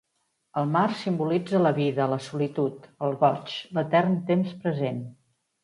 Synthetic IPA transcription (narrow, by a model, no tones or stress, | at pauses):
əlˠmarsimbulid͡zələβiðələsulit̪ut̪əlˠɣɔt͡ʃlət̪ɛrnt̪emspɾəzen